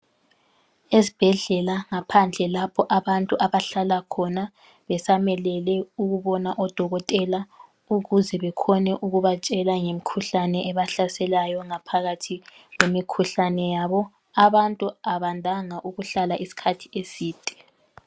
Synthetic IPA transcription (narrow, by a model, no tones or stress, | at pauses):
ezib̥ʱɛɮɛlaŋapʰand͡ɮʱɛlapʰɔʔaβantʼuʔaβaɬalakʰɔna | βɛsamɛlɛlɛuɣuβɔnaʔɔd̥ʱɔɣɔtʼɛla | uɣuzɛβɛkʰɔnɛʔuɣuβat͡ʃʼɛlaŋemikʰuɬanɛʔɛβaɬasɛlajɔŋapʰaɣatʰi | wemikʰuɬanɛjaβɔ | aβantʼuaβandʱaŋaʔuɣuɬalaʔisi̥kʰatʰi̥esiːd̥ʱʼɛ̥